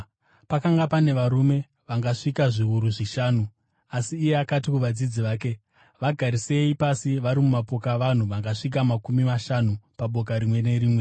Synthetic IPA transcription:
pakaŋɡapane̞ʋaɾume̞ | ʋaŋɡaʂikaʐiuɾuʐiʃaːnu | asiːjeakatikuʋad͡zid͡ziʋaːke̞ | ʋaɡʱaɾise̞ipasiʋaɾimumapo̞kaʋan̤uʋaŋɡaʂik̬amakumimaʃanupaɓo̞k̬aɾimwe̞ne̞ɾiːmwe̞

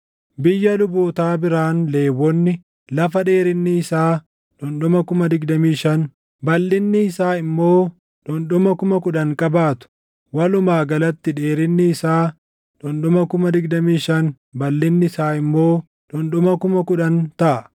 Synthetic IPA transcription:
bɪjːɐlʊboːt̪aːbɪɾaːnle̞ːwːɔnːɪ | lɐfɐᶑe̞ːɾɪnːɪːsaː | ᶑʊnɗʊmɐkʊmɐd̪ɪɡd̪ɐmiːʃɐn | bɐlːɪnːɪːsaːɪmːo̞ː | ᶑʊnɗʊmɐkʊmɐkʊᶑɐŋkʼɐbaːt̪ʊ̥ | wɐlʊmaːɡɐlɐt̪ːɪᶑe̞ːɾɪnːɪːsaː | ᶑʊnɗʊmɐkʊmɐd̪ɪɡd̪ɐmiːʃɐn | bɐlːɪnːɪɪsaːɪmːo̞ː | ᶑʊnɗʊmɐkʊmɐkʊᶑɐnt̪ɐʔɐ

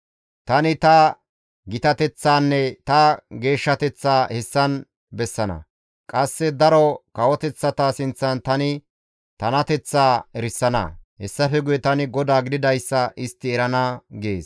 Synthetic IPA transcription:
t̪ɐnɪt̪ɐ | ɡɪt̪ɐt̪ɛt͡sːaːnːɛt̪ɐɡe̞ːʃːɐt̪ɛt͡sːaːhɛsːɐn | bɛsːɐnɐ̰ | kʼɐsːɛd̪ɐɾɔkɐwɔt̪ɛt͡sːɐt̪aːsɪnt͡sːɐnt̪ɐnɪ | t̪ɐnɐt̪ɛt͡sːaːɛɾsːɐnɐ̰hɛsːɐfɛɡʊjɛt̪ɐnɪɡɔd̪aːɡɪd̪ɪd̪ɐjsːɐʔɪst̪ːɪɛɾɐnɐɡeːs

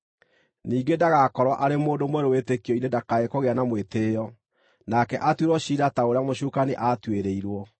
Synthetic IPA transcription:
niːɡedaɣakɔɾwaʔaɾemoːndomwɛɾowetekiɔinedakaekoɣeanamweteːjɔ | nakɛʔatweɾwɔɕiɾataoɾeamoɕukaneʔatweɾeiɾwɔ

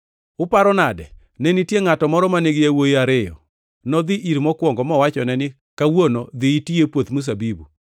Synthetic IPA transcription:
ʊpaɾɔnadɛ̰ | nɛnitjeŋatɔmɔɾɔmaneɡɪjawojiaɾɪjɔ̰ | nɔd̪ɪʔiɾmɔkwɔŋɡɔmɔwat͡ʃɔnɛnɪ | kawonod̪ɪitiepwot̪mus̬abibu

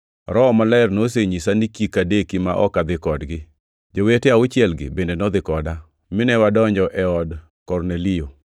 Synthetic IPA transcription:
ɾɔmalaɪrnos̬eɲisanikikadekima̰ʔɔ̰kad̪ɪkɔdɡɪ | d͡ʒoweteaʊt͡ʃɪɛlɡɪ̰bendenɔd̪ɪkɔda | mɪnɛwadɔɲd͡ʒɔʔɛɔd | kɔrnelɪo

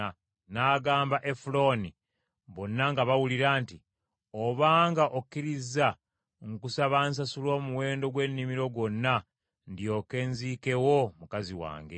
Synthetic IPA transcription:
naːɡaːmbaʔe̞fulo̞ni | βo̞nːaŋɡaβawuliɾaːnti | o̞βaːŋɡaʔokːiɾiza | ŋkusaβaːns̬asulo̞ːmuwe̞ːndo̞ɡwe̞nːimiɾo̞ɡwo̞nːa | ndjo̞ːke̞nziːke̞wo̞mukaziwa̰ːŋɡe̞̰

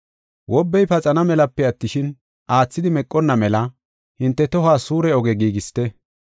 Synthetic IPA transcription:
wʔɔbːɛjpɐt͡sʼɐnɐmɛlɐpːɛɐt̪ːɪʃɪn | ʔaːt͡sːɪd̪ɪmɛkʼːɔnːɐmɛlɐ | hɪnt̪ːɛt̪ɔɦaːsuːɾɛɔɡɛɡiːɡɪst̪ɛ

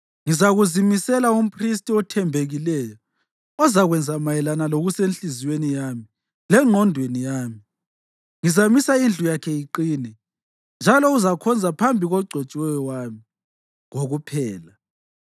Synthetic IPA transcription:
ŋizaɣuzimisɛlaum̩pʰris̬tʼiɔtʰɛmbʱeɣilɛjɔ | ɔzaɣwɛnd͡zʱamajɛlanaloɣusenɬiziwenijami | lɛŋ͡ǃʱɔndʱwenijaːmi | ŋizamisaind͡ɮʱujakʰɛjiǃiːnɛ | nd͡ʒʱalɔuzakʰɔnd͡zʱapʰambʱiɣɔɡ͡ǀʱɔt͡ʃʼwɛjɔwami | ŋoɣupʰɛːla

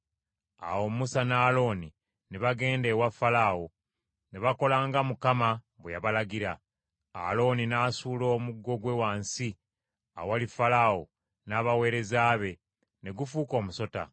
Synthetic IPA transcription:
a̰wo̞musanaːlo̞ni | neβaɡe̞ːndewafːalao̞ | neβako̞laːŋɡamukama | βwejaβalaɡiɾa̰ː | lo̞ninaːsuːlo̞ːmuɡːo̞ɡwe̞waːnsi | a̰wowalifalawo̰ | naːβawe̞ːɾe̞zaːβe̞ | ne̞ɡufuːko̞ːmuso̞ta̰

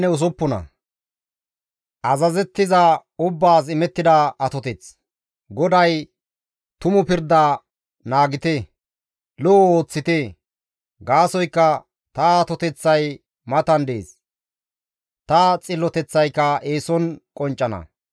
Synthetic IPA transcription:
nɛʊs̬ɔpːɔnɐ̰ | ʔɐzɐzɛt̪ːɪzɐʊbːaːs̬ɪmɛt̪ːɪd̪ɐɐt̪ɔt̪ɛt͡s | ɡɔd̪ɐj | t̪ʊmʊpɪɾd̪a | naːɡɪt̪e | loːoːt͡sːɪt̪e | ɡaːsɔjkːɐ | t̪ɐːt̪ɔt̪ɛt͡sːɐj | mɐt̪ɐnd̪ḛːs | t̪ɐt͡sʼɪlːɔt̪ɛt͡sːɐjkːɐʔeːsɔnkʼɔnt͡ʃʼːɐnɐ̰

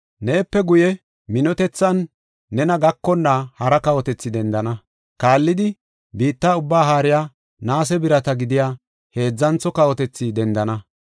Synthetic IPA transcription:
ne̞ːpːɛɡʊjɛ | mɪnɔt̪ɛt͡sːɐnː | ɛnɐɡɐkːɔnːahɐɾɐkɐwɔt̪ɛt͡sːɪd̪ɛnd̪ɐnɐ | kaːlːɪd̪ɪ | biːt̪ːaːʊbːaːɦaːɾɪjaː | naːs̬ɛbɪɾɐt̪ɐɡɪd̪ɪjaː | he̞ːd͡zːɐnt͡sɔkɐwɔt̪ɛt͡sːid̪ɛnd̪ɐnɐ

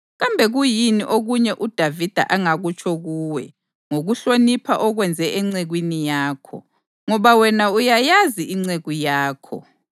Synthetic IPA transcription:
ɣambʱɛɣujiniʔoɣuɲɛʔud̥ʱavid̥ʱa̰ʔaŋaɣut͡ʃʰɔɣuːwɛ | ŋoɣuɬonipʰaʔɔɣwɛnd͡zʱɛʔɛŋ͡ǀeɣwinijaːkʰɔ̰ | ŋɔβawɛnaujajaziiŋ͡ǀeɣujaːkʰɔ̰

